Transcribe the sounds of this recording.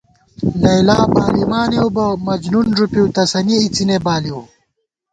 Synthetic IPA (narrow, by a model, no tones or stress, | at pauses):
lɐjlaːbaːlimaːnewbɐmɐd͡ʑnunʐupiwt̪ɐsɐniit͡sinebaːliw